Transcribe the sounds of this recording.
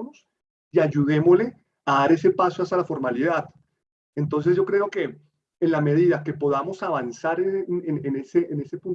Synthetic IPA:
nos | iaʝuðe̞mole̞ | aðaɾe̞se̞pasoas̬t̪alafo̞ɾmaliðað | ent̪o̞ns̬e̞zʝo̞kɾe̞o̞ke̞ː | nlame̞ð̞iðake̞po̞ðamo̞saβansaɾenneneseʔːne̞se̞pun

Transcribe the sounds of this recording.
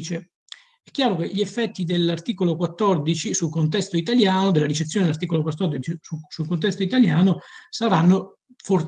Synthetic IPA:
t͡ʃe | ɛkːjaːɾok̟eʎiefːɛt̪ːid̪elːart̪iːkolokwat̪ːɔrd̪it͡ʃisulkont̪ɛst̪oit̪aljaːnod̪elːaɾit͡ʃet̪sjoːned̪elart̪iːkolokwat̪ːɔrd̪it͡ʃiusulkont̪ɛst̪oit̪aljaːnosaɾanːo | for

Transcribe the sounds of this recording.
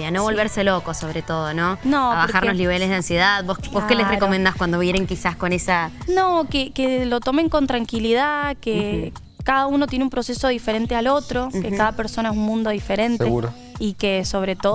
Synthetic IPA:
anoβo̞lβeɾse̞lo̞ko̞so̞βɾet̪o̞ðononoβaɾxaɾnosliβeleðeansje̞ðaðbosboskelesreko̞mend̪askwand̪oβje̞ɾeŋkisasko̞nesanokekelo̞t̪o̞me̞ŋko̞nt̪ɾaŋkiliðake | kaðauno̞t̪je̞neumpɾo̞se̞so̞ðife̞ɾe̞nt̪ealo̞t̪ɾo̞kekaðapeɾso̞naes̬unmũnd̪o̞ðife̞ɾe̞nt̪e | ikeso̞βɾet̪o

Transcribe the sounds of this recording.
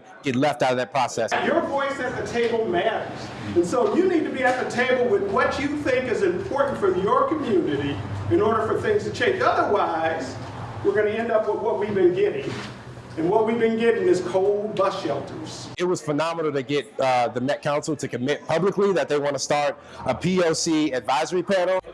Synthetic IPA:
ɡ̥ɛtˡlɛftaʊɾʌvðɨt̚pʰɹ̥ɑsɛsjə˞vɔɪsɨt̪̚ðɨtʰeɪbl̩ˠmæɾə˞z̥ | ɨ̃nsoʊjɨnid̚tɨbiɨt̪̚ðɨtʰeɪbl̩ˠwɨðwʌt͡ʃɨθɪ̃ŋkɨzɨ̃mpʰɔɹʔn̩tfəjə˞kʰɨmjʉnɨɾiɨ̃nɔɹɾə˞fə˞θɪ̃ŋz̥tʰɨt͡ʃʰẽɪ̃nd͡ʒʌðə˞waɪz̥ | wɨɹɡʌñɨɛ̃ndʌpwʌt̚wʌt̚wivbɨ̃nɡɛɾɪ̰̃ŋ | ɨ̃nwʌt̚wivbɨ̃nɡɛɾɪ̃ŋɨz̥kʰoʊlˠd̚bʌsʃɛlˠtʰə˞z̥ɪt̚wʌz̥fənɑmənəlˠɾɨɡɛt̪̚ðɨmɛt̚kʰãʊ̃nsl̩ˠtʰɨkʰɨmɪt̚pʰʌbləkliðɨt̪̚ðeɪwɑ̃ntəstɑɹɾ | əpʰioʊsiɨdvaɪzə˞ipʰɑɹnl̩ˠ

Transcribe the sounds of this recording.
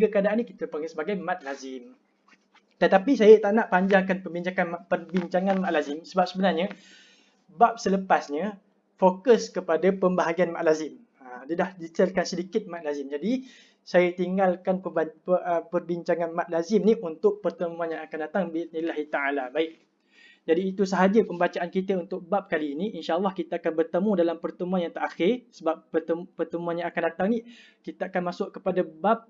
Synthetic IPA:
ɡəkəadaʔanːĩki̥t̪əpaŋəsəbaɡajmãt̪̚lazɪm | t̪ət̪apisajat̪aʔnaʔpaɲd͡ʒaŋkanpəmbiɲt͡ʃaŋanpərbiɲt͡ʃaŋãnmaʔ̪lazɪmsəbap̚səbənarɲa | bap̚sələpasɲa | fokəskəpadapəmbaɦaɡianmaʔ̪lazɪm | adədahdit̪ɛlkansədikɪt̪̚mat̪̚lazɪmd͡ʒadi | sajat̪iŋɡalkanəəəpərbiɲt͡ʃaŋanmaʔ̪̚lazɪmniunt̪ʊʔ̚pərt̪əmũãnjãŋakandat̪aŋbinilaɦit̪aalabaɪʔ̚ | d͡ʒadiːt̪usəɦad͡ʒəpəmbat͡ʃaʔankit̪əunt̪ʊk̚bap̚kaliːniinʃaʔɑlˠːɑhkit̪əakanbərt̪əmũdalampərt̪əmũanjaŋt̪əʔaxɪrsəbap̚ːət̪əpərt̪əmũanjãŋakandat̪aŋni | kit̪aakanmasʊʔkəpadabap̚

